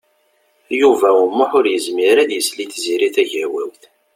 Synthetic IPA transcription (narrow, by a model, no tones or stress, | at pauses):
juvæumːʊħʊɾjəzmiɾæðjəsliθziɾiθæʝæwæwθ